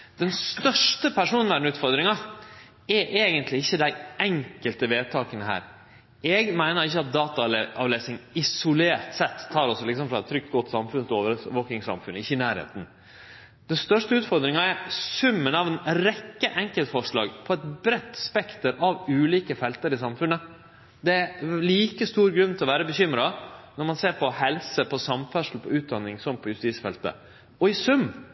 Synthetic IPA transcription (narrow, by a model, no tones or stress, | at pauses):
d̪̥ɛnst̪œʂʈəpʰæʂuːnnʋæɖnʉːt̪fɔɾd̪ɾɪŋɑ | ɛɾʔeːɡənt̪lɪɪçːəd̪æɪʔɛŋkəlt̪əʋeːt̪ʰɑːkənəɦæ̰ːɾ | ɛɡmæɪnəɾɪçːəɑt̪̚d̪ɑːt̪ɑɑ̰ʋleːsɪŋɪsʊleːɾt̪sɛt̪ʰːɑːɾɔsɔlɪksɔmfɾɑɛt̪t̪ʰːɾʏk̚t̪ɡɔt̪ːsɑmfʉnt̪oːʋəɾʋoːkɪŋsɑ̰mfʉnəɪçːəɪnæːɾhḛːt̪n̩ | d̪̥ɛnst̪œʂʈəʉːt̪fɔɾd̪ɾɪŋɑɛɾsʉmːənɑʋɛnɾɛkːəʔɛŋkəlt̪fɔʂɭɑ̰ːɡpʰɔɛt̪bɾɛt̪ːspɛkt̪əɾɑʋʉːliːkəfɛlt̪əɾɪsɑmfʉnə | d̪ɛæliːkəst̪uːɾɡɾʉnːt̪ʰɪlɔʋæːɾəbəçʏmɾɑnɔɾmɑnseːɾpʰɔhɛlsəpʰɔsɑmfœʂl̩pʰɔʉːt̪̚d̪ɑnːɪŋsɔmpʰɔjʉst̪iːsfɛlt̪ə̰ | ɔɪsʉm